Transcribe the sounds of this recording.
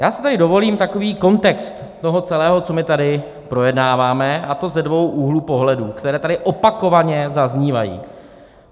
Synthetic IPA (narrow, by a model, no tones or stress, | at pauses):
jaːsɪ̥t̪aɾɪdo̞vo̞liːmt̪ako̞viːko̞nt̪ɛkst̪ːo̞ɦo̞t͡sɛlɛːɦo̞t͡so̞mɪt̪adɪ | pɾo̞jɛdnaːvaːmɛat̪o̞zɛdvo̞wʔuːɦluːpo̞ɦlɛduːkt̪ɛɾɛːt̪adɪʔopako̞vaɲɛzazɲiːva̰jḭː